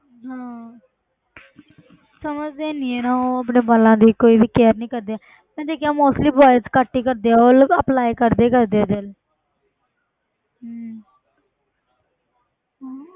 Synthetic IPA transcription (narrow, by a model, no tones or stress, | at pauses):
ɦãː | səməd͡ʒd̪eːnieːnãːoːəpneːbaːlãːd̪iːkoːiːbiːkɛːɾnĩːkəɾd̪eːaː | mɛ̃ːd͡ʒeːkɪãːmoːsʈliːbaːɪskəʈːiːkəɾd̪eːaoləplaːikəɾd̪eːkəɾd̪eːaːd̪el | ɦãː